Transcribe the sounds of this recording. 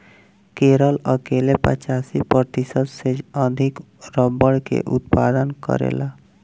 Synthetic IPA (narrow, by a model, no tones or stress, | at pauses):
keɾələkelepə̰t͡ʃasipəɾt̪isəd̪seəd̪ʱik | ɾəbəɽkḛʔut̪̚pad̪ənkə̰ɾḛla